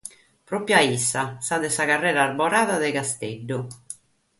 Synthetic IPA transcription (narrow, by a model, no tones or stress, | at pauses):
pɾɔpjaisːasad̪ɛsaɣarːɛːɾaːrbɔɾaːðaðɛkast̪eɖːʊ